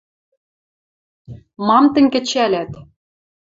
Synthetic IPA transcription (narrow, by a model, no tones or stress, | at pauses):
mɑmt̪ɘ̆ŋʲkɘ̆t͡ɕælæt̪